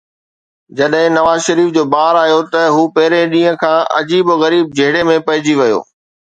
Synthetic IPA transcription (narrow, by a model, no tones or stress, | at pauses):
d͡ʑɐɗɦɪ̃nɐʋaːzʃɐɾiːfd͡ʑoːbaːɾaːijot̪ɐɦuːpɐɦɪɾẽɗĩːə̃kʰãːʔɐ̰d͡ʑiːboɣɐɾiːb̚d͡ʑʱɐɦɪɽemẽpɐɦɪd͡ʑiʋɐjo̰ː